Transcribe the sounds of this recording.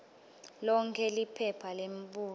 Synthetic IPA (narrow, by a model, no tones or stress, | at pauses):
lɔŋkʰɛlipʰɛpʰalemɓʼuː